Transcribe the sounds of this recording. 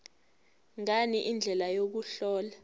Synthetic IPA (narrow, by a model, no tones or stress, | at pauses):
ŋaniʔind͡ɮʱɛlajok̬uɬɔːla